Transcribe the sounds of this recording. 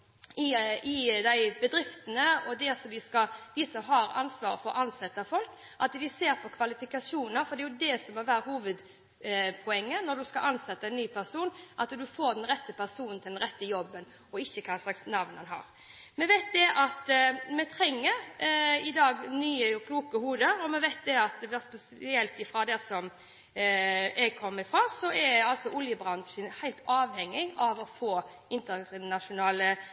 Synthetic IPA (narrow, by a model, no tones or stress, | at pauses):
ɪɪd̪æɪbəd̪ɾɪft̪ənəɔd̪ɛsɔd̪ɪskɑd̪ɪsɔmɦɑɾɑ̰nsʋɑːɾəfɔɾʔɑnsɛt̪ːəfɔlk | ʔɑt̪d̪ɪseːɾpʰɔkʰʋɑlɪfɪkɑsuːnnəɾfɔd̪ɛjʊd̪ɛsɔmɔʋæːɾəhuːʋəd̪ | pʰɔɛŋːənɔd̪ʉskɑʔɑnsɛt̪ːəɛɪnnyːpʰæɾsuːnʔɑt̪d̪ʉfoːɾd̪ɛnɾɛt̪ːəpʰæʁsuːnnt̪ʰɪld̪ɛnɾɛt̪ːəjɔbːən | ɔɪçːəkʰɑslɑksnɑʋnɑnɦɑ̰ːɾ | mɛʋæɪt̪̚d̪ɛʔɑt̪mɛt̪ʰɾɛŋːəɾɪd̪ɑːɡnyːəkʰluːkəhuːd̪əɾɔmɛʋæɪt̪̚d̪ɛɑt̪ʋɛspɛsɪɛlt̪ɪfɾɑd̪ɛsɔm | ʔɛɡkʰɔmːəɪfɾɑːsɔɛɑlt̪sɔʔʊljəbɾɑnʂənhæɪlt̪ɑːʋhɛŋːɪɡɑʋɔfoː | ʔɪnt̪əʁnɑʂʊnɑːlə